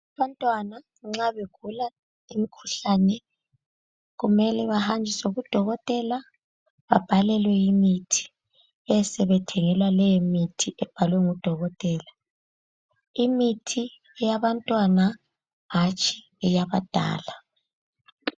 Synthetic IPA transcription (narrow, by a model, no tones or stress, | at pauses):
aβantʼwana | ŋ͡ǁaβeɡ̥ʱula | imikʰuɬanɛ | ɣumɛlɛβahand͡ʒʱisoɣud̥ʱɔɣɔtʼɛla | βa̰b̥ʱalɛlwɛjimitʰi̥ | ɛsɛβɛtʰɛŋɛlwalɛjemitʰiʔɛb̥ʱalwɛŋud̥ʱɔɣɔtʼɛːla | imitʰi | ɛjaβantʼwana | ɦat͡ʃʼʰi̥ | ɛjaβad̥ʱa̰ːla